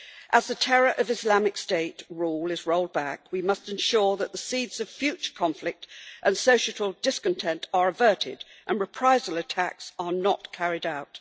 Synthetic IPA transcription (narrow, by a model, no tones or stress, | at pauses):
ʔəzðɨtʰɛɹə˞ʔʌvɨzlɑmɨksteɪtɹulˠɨzɹoʊlˠd̚bækwimʌstɨ̃nʃʊɹðəʔ̪̚ðəsidz̥ʌv̥fjʉt͡ʃə̥˞kʰɑ̃ɱflɨk̚tʔɨ̃nsoʊʃɨɾl̩ˠdɪskɨ̃n̩tʰɛ̃ntʰə˞ɨvɜ˞ɾɪ̰dʔə̃nɹɨpʰɹ̥aɪzəlˠɨtʰæksə˞nə̰tkʰæɹɪɾaʊt̚